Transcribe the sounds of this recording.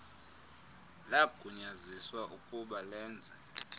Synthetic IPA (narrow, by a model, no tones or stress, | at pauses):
laɡ̥ʱuɲaziswaʔukʼuɓalɛːnd͡zʱɛ